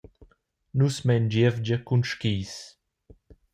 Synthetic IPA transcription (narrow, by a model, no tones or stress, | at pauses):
nusmɛnd͡ʒevd͡ʒəkunʃkiːs